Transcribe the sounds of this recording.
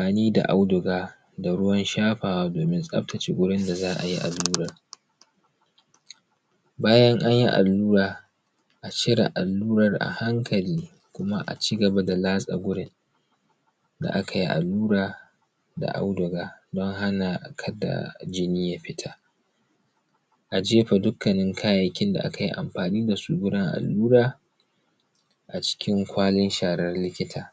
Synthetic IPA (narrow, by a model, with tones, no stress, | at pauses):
aː˨niː˦da̰˨ʔa˦wdʊ˨ɡaː˦ | da˨ɽʊ˦wɐ˦nʃaː˦ɸaː˨wa˦doː˨mɪ˦nsʼɐ̰˦ɸtʰɐ˨t͡ʃe˦ɡʷʊ˦ɽɪ˦nda˨zaː˦ʔa̰˨ji˦ʔa̰˨lːuː˦ɾɐ˨r | baː˦jɐ˦ŋʔa˦ɲji˦ʔa̰˨lːuː˦ɾaː˨ | ʔa˨t͡ʃɪ˦ɽa̰˨ʔa˨lːuː˦ɾɐ˨rʔa̰˨ha˦ŋkʰɐ˨liː˦ | kʷʊ˦ma̰˦ʔa̰˨t͡ʃiː˦ɡɐ˨ba˦da˨laː˦sʼa̰˨ɡʷʊ˦ɽɪ˦n | da̰˨ʔa˦kʰa˨ji˦ʔa̰˨lːuː˦ɾaː˨ | da̰˨ʔa̰˦wdʊ˨ɡaː˦dɔ˦ŋɦa˦na˨kʰɐ˦da̰˨d͡ʒɪ˦niː˦ja˦ɸɪ˦tʰa˦ | ʔa˨d͡ʒeː˦ɸa˨dʊ˦kːɐ˨nɪ˦ŋkʰaː˦ja˨kʲɪ˦nda̰˨ʔa̰˦ka˨jḭ˦ʔa̰˨mɸaː˨niː˦da˨suː˦ɡʷʊ˦dɪ˦ŋʔa̰˨lːuː˦ɾaː˦˨ | ʔa˨t͡ʃɪ̥˦kʲɪ˦ŋkʷaː˦lɪ˦nʃaː˨ɾɐ˦rlɪ˦kʲɪ˦tʰaː˨